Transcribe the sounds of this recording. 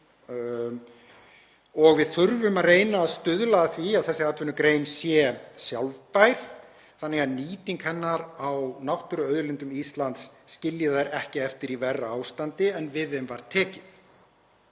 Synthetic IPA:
ɔɣvɪðθʏɾvʏmaðreːjnaːðst̪ʏðlaðaθviaðθɛsːɪɾat̪ʰvʏnʏkɾeːjnsjɛsjawlvpajɾ̥ | θanːɛɣaðniːt̪iŋkhɛnːaɾawnawht̪ʏɾʏœɥðʏlɪnt̪ʏmist̪lant̪sːcɪljɪðajɾɛhcɪɛft̪ɪɾivɛrːaawst̪ant̪ɪɛnvɪðɪmvaɾ̥t̪ʰɛːcɪθ

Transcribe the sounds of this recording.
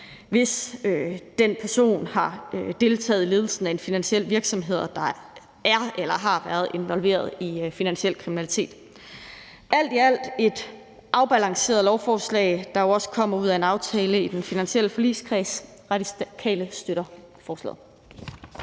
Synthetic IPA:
ʋe̝sød̥enpʰæɐso̝̰ːnhɑ̈ød̥e̝lt͡sʰɛ̰ːð̩ˠle̝ðˠl̩sn̩æe̝nfinænɕel̰ʋiɐɡ̥sɒ̽mɦe̝ð̰ˠɐd̥ɑ̈ | æɐelɐɦɑ̈ʋæːɐðˠe̝nʋɒ̽lʋe̝̰ːɐð̞ˠifinænɕel̰kʰʁiminælit͡sʰe̝̰ːd̥ | ʔæl̰d̥iæl̰d̥e̝d̥ | ʔɑ̈ʊb̥ælɑ̈ŋse̝̰ːɐðˠlɒʊfɒːslɛ̰ɪd̥ɑ̈joɒ̽sə̥kʰɒ̽m̰ɐuð̞̰ˠæe̝nɑ̈ʊt͡sʰɛːləid̥enfinænɕiel̰əfɒ̽lḭːskʰʁɛs | ʁɑdiskʰɛ̰ːləsd̥øɾ̥ɐ | fɒːslɛ̰ːð̩ˠ

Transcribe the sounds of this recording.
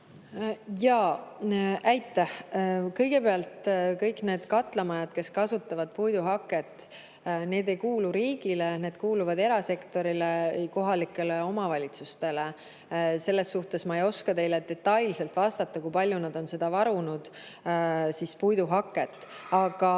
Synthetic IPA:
jɑː | ʔæjt̪ːˑæhkɤ̞jɡ̥e̞peɑlt̪kɤ̞jkˑne̞ːd̪̥kɑt̪ˑlemɑjɑd̪̥ke̞skɑsut̪ːˑɑvɑd̪̥̚pujd̪uɦɑkːˑe̞t̪ːˑ | ne̞ːd̪e̞jkuːluɾiːɡ̥ile̞ne̞ːd̪̥kuːluvɑd̪e̞ɾɑse̞kt̪o̞ɾileko̞ɦɑlikːˑe̞le̞o̞mɑvɑlʲit̪sust̪e̞le | se̞lːe̞sːuht̪e̞smɑejo̞skɑt̪e̞jled̪e̞t̪ːɑjlse̞lt̪vɑst̪ɑt̪ːɑkujpɑlʲjunɑd̪̥o̞nse̞d̪̥ɑvɑɾunud̪̥ | sispujd̪uɦɑkːˑe̞t̪ːˑ | ɑɡ̥ɑ

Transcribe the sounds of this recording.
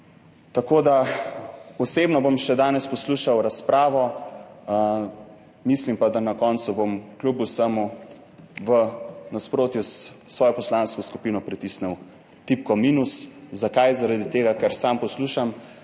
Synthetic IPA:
t̪akoːd̪a | ɔseːbnɔbomʃɛd̪aːnɛspɔsluːʃawɾaspɾaːʋɔ | mislimpad̪anakɔːnsubomklubusamu | ʋənaspɾoːt̪jussʋɔːjɔpɔslanskɔskupinɔpɾit̪isnɛw | t̪ipkɔmiːnuszakajzaɾad̪it̪eːɡakaɾsampɔsluːʃam

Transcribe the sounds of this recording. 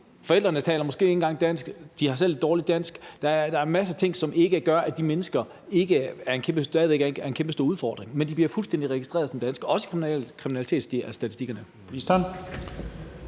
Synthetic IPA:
fɒ̽el̰d̥ʁɐnət͡sʰɛ̰ːlɐmɒ̽sɡ̥e̝̰ːe̝n̩ɡ̥ɑ̈ŋd̥æn̰sɡ̥d̥ihɑ̈sele̝d̥ɒːlid̥æn̰sɡ̥d̥ɑd̥ɑ̈ɐmæs̬ət͡sʰe̝ŋ̰sɒ̽mʔe̝ɡ̥əɡ̥ɶɐʔæd̥imenəsɡ̥ɐ | e̝ɡ̥əæɐe̝nkʰembətɛːð̩ˠeɡ̥æɐenkʰemb̥əsd̥o̝ːuðˠfɒ̰ːd̥ʁeŋmend̥ib̥liɐfulsd̥end̥iʁɛɡ̥isd̥ʁḛːɐðˠsɒ̽md̥ænsɡ̥ɒ̽sə̥kʰkʰʁiminælit͡sʰe̝̰ːd̥sd̥isd̥æisd̥iɡ̥ɐnə | isd̥æn

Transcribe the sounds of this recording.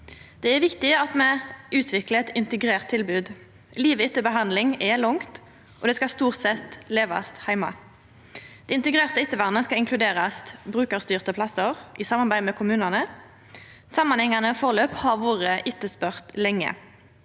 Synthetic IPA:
d̪̥ɛɛʋɪkt̪ɪɑt̪mɛʉːt̪ʰʋɪklət̪ɪnt̪əɡʁeːʁt̪ʰːɪlbʉːd̪ | liːʋəɪt̪ːəbəɦɑnd̪lɪŋɛlʊŋt̪ | ʔɔd̪ɛskɑst̪uːʁt̪sɛt̪leːʋɑ̰st̪hæɪmɑ̰ | d̪̥ɛɪnt̪əɡʁeːʁt̪əɪt̪ːəʋɑʁnəskɑɪŋkʰlʉd̪eːʁɑsbʁʉːkəʁst̪yːʁt̪əpʰlɑsəʁʔɪsɑmːɑʁbæɪmɛkʰʊmʉːnɑnə | sɑmɑnhɛŋɑnəfɔʁløːphɑʁʋoːʁəʔɪt̪ːəspœʁt̪lɛŋːə̰

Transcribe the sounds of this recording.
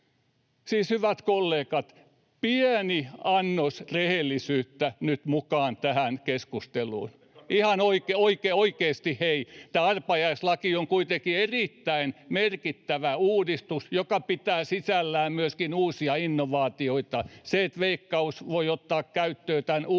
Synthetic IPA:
siːshyʋæt̪kolːeːkɑt̪ | piæniɑnːosrehelːisyːt̪ːænyt̪mukɑːnt̪æhænkeskust̪elṵːn | ihɑnoikeoikeoikeːst̪iheit̪æːɑrpɑjɑislɑkioŋkuit̪ekierit̪ːæinmerkit̪ːæʋæuːdist̪usjokɑpit̪æːsisælːæːmmyøskinuːsiɑinːoʋɑːt̪ioit̪ɑseet̪ʋeikːɑusʋoiot̪ːɑːkkæyt̪ːøːt̪æn

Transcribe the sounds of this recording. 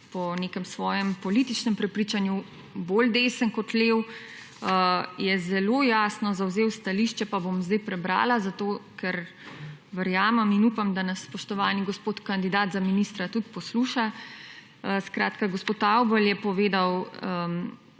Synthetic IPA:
pɔnekɛmsʋɔːjɛmpɔlit̪it͡ʃnɛmpɾɛpɾiːt͡ʃanju | bold̪eːsənkɔt̪leːw | əjɛzɛlojaːsnɔzawzeːwst̪aliʃt͡ʃɛpabomzd̪ɛjpɾɛbɾa̰ːlazat̪oːkɛɾ | ʋəɾjaːmɛminupamd̪anɐsːpɔʃt̪ɔʋaːniɡɔspoːt̪kand̪id̪aːt̪zaminist̪ɾat̪ut̪pɔsluʃa | skɾaːt̪kaɡospoːt̪awbəljɛpɔʋeːd̪awə

